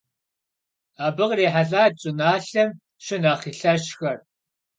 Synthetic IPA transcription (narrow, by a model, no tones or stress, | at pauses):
aːbɨʁreːħaɮaːt͡ʃʼʊnaːɬɐm | ʃɪnaːχiːɬɐʃxɐr